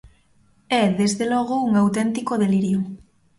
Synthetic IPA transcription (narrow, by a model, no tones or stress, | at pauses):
ɛðezðelɔɣouŋawt̪ɛnt̪ikoðeliɾjo